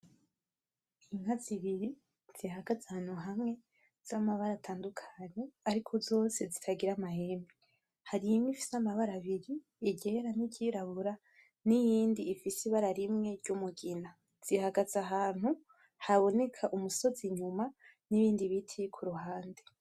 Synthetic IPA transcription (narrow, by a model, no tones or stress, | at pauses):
iŋ̥haziβiɾi | z̥ihaɡazahan̥huɦamŋe̞ | z̥amaβaɾatʰaːndukʰaɲe̞aɾikʰozo̞ːse̞zitʰaɡiɾamahe̞mi | haɾimifi̥samaβaɾaβiɾiː | ɟe̞ɾaniɟiɾaβuɾa | nijiːndiːfisiβaɾaɾimŋe̞ɾɟumuɡina | z̥ihaɡazaɦaːn̥hu | haβo̞ne̞kʰaʔumuso̞ziɲuma | niβiːndiβitʰikʰuɾuɦaːnde̞